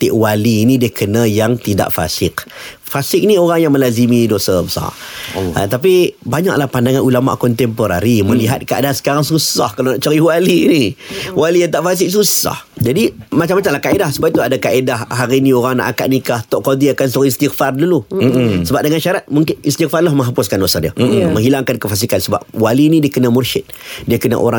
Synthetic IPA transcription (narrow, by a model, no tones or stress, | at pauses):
t̪ɪʔwaliːnĩdikʰənajaŋt̪ida̰ʔfa̰sɪkfasɪk̚nioɾaŋjaŋmə̃lazimĩdosabəsa̰a̰t̪ap̬ibaɲa̰k̚lahpandaŋanulama̰ʔkɔnt̪ɛmpoɾa̰ɾimə̃liɦat̪̚kaʔa̰dasə̥kaɾaŋsusahkalaonaʔt͡ʃəɾiwaliːniwalijaŋt̪aʔfas̬ɪk̚s̬usa̰hd͡ʒadimat͡ʃamːat͡ʃamlahkaedahsubapit̪uadakaedahɦaɾinĩoɾaŋna̰ʔaka̰ʔ̚nikaht̪ɔʔkodiakansuɣiist̪ikfardulusəbap̚dəŋanʃaɾat̪̚muŋkɪnist̪ik̚farlahmə̃ŋɦapʊskandosadiəmə̃ŋɦilaŋkankəfas̬ikansəba̰p̚walinidiəkənãmurʃɪt̪̚diəkəna̰ʔo̰ɾa